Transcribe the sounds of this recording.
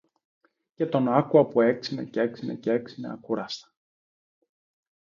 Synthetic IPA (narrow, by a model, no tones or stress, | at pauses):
ce̞t̪o̞nɐkuɐpue̞ksinḛcee̞ksinḛceeksinḛɐkuɾɐst̪ɐ̥